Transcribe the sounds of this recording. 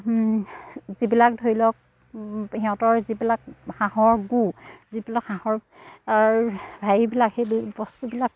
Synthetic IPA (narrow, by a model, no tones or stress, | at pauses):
zibilak̚dʱoɹilɔk̚ | hɛɔ̃tɔɹzibilak̚haɦɔɹɡuzibilakhãhɔɹ | aɹbʱajibilakhejbbɔstubilak